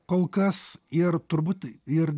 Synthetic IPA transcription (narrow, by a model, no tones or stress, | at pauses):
kolˠkɐsɪɾt̪ʊɾbʊt̪ɪɾ